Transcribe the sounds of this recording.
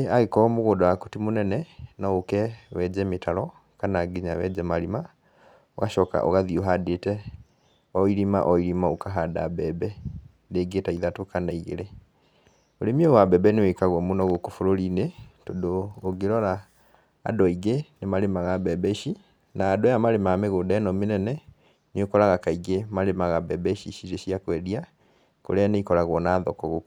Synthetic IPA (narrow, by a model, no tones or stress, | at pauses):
aɣekɔɔmoɣodɔako̥timonɛnɛnaokɛwɛd͡ʒɛmetʰaɾɔ | kanaɡeɲawɛd͡ʒɛmalima | o̰ɣaʃɔka̰ʔo̰ɣaðioɦadetɛ | ɔiɾima̰ʔɔiɾimaokaɦada̰bɛːbɛ | deɡetaiðatokanaiɣḛɾe | oɾemiowabɛbɛnewekaɣwɔmonɔɣokofoɾoɾinetodoːɡeɾɔɾa̰ː | dɔiɡenemaɾemaɣabɛbɛʃi | naːdojamaɾemameɣoːdaɛnɔmenɛnɛ | neokɔɾaɣakaiɡemaɾemaɣabɛbɛʃiʃiɾesiakwɛɾia | ko̰ɾeaneikɔɾaɣwɔnaːðɔkɔɣok